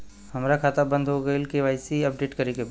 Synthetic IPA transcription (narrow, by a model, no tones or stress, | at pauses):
hɐmɾakʰaːt̪abə̃nd̪ɦoɡɐɪlkeʋaːɪsiɐp̚ɖeːʈkɐɾekeb